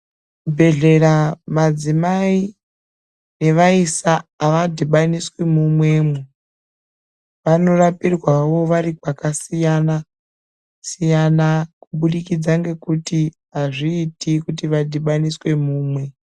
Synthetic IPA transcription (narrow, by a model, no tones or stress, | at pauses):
bʱe̞ɮe̞ɾamad͡zimai | ne̞ʋaisaːʋadʱiɓaniswemumwe̞mu | ʋano̞rapirwaʋo̞ʋaɾikwakasijana | sijanakuɓuɗikid͡zaŋɡe̞kuti | ɦaʐiːtikutiʋadʱiɓaniswe̞muːmwe̞